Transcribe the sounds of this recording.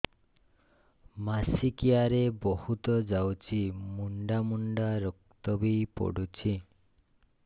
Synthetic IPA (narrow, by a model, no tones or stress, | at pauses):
masikiaɾebɔhut̪ɔd͡ʒawt͡ʃʰimuɳɖamuɳɖaɾɔk̚t̪ɔbijpɔ̰ɽut͡ʃʰi